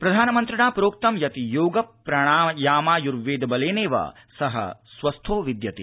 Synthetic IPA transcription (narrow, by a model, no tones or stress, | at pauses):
pɾɐd̪ʱaːnɐmɐnt̪ɾɐɳaːpɾoːk̚t̪ɐmjɐt̪ijoːɡɐppɾɐɳ̃aːjaːmaːjuɾʋeːd̪ɐbɐleːneːʋɐ̰ | sɐɦɐ̰sʋɐst̪ʰoːʋid̪jɐt̪i